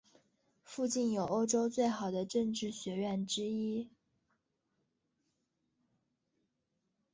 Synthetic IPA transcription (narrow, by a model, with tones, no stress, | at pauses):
fu˥˧t͡ɕi˥˩njo˨˩ʊo˥ʊʈ͡ʂo˥ʊt͡swe˥˩ɪxɑ˨˩ʊd̪ə˦ʈ͡ʂɤ˥˧ŋʈ͡ʂɻ̩˥˩ɕɥɛ˧˥ɥɛ˥˩nʈ͡ʂɻ̩˥i˥